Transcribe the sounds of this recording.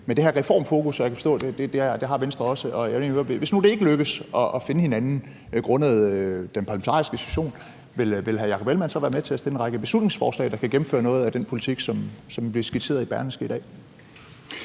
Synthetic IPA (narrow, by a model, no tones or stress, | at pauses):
mend̥e̝hæɐʁɛfɒ̰ːmfo̝ːkʰusɒjɑ̈kʰæfɒd̥ɔ̰̽ːd̥ed̥e̝d̥ed̥e̝ɦɑ̈ʋensd̥ʁɐɒ̽səʔɒ̽jenˠeʋe̝snud̥e̝e̝ɡ̥əløɡ̥əðsɒ̽ʔːfe̝nəhe̝nænn̩ | ɡ̥ʁɔ̽nəð̩ˠød̥enpʰɑ̈ləment͡sʰɑ̰ːisɡ̥əsitʰu̥ɕo̝̰ːn | ʋe̝lʋe̝lɦæjɑ̈kʰɒ̽b̥elmænsɒʋæːɐmet͡sʰe̝æsd̥e̝l̰enʁɑ̈ɡ̥əb̥e̝slud̥ne̝ŋsfɒ̰ːslɛ̰ːd̥ɑ̈kʰæɡ̥em̩fø̰ːɐnɔ̽ːð̞̩ˠæd̥enpʰo̝lit͡sʰiɡ̥sɒ̽msɒ̽mb̥liɐsɡ̥it͡sʰe̝ːɐðˠib̥æɐnəsɡ̥id̥ɛ̰ː